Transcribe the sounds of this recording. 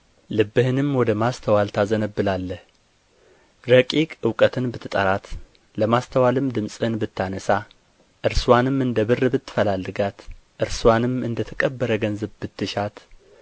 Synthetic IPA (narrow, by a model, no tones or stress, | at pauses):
lɨbːɨhɨnɨmwɔd̪əmast̪ʰəwalt̪ʰazənəbːɨlalːəh | ɾəkʼikʼɨwkʼət̪ʰɨnbɨt̪ʰːɨt̪ʼə̰ɾat̪ | ləmast̪ʰəwalɨmd̪ɨmsʼɨɨnbɨt̪ʰːanəsa | ʔɨɾswanɨmɨnd̪əβɨrːbɨt̪ːɨ̥fəlalːɨɡat̪ʔɨɾswanɨmɨnd̪ət̪ʰəkʼəbːəɾəɡənzəβbɨt̪ːɨʃat̪